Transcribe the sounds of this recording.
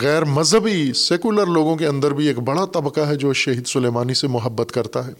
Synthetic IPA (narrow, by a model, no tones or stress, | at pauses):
ɣɛːɾmɐzɦəbiseːkuləɾloːɡõkeɐ̃nd̪əɾbʱieːkbɐɽat̪ɐbkaɦɛd͡ʒoːʃɐɦiːd̪sʊleːmaːnisemʊɦəbːət̪kɐɾt̪aɦɛː